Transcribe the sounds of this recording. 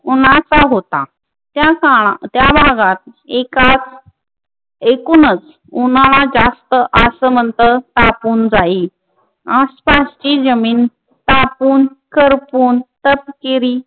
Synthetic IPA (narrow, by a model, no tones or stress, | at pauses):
unat͡saɦot̪a | t̪jakaɭat̪jabʱaɡat̪̚ekat͡s | ekuːnət͡s | unaɭad͡zast̪əʔəsəm̤ənt̪əɾt̪apuːnd͡zai | aspaɕt͡ɕiːd͡zəmiːn | t̪apuːnkəɾpuːnt̪əpkiɾi